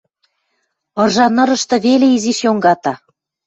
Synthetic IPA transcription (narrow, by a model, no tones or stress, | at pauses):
ɤ̆rʒɑnɤ̆ɾɤ̆ʃt̪ɤ̆βeleiziʃjoŋɡɑt̪ɑ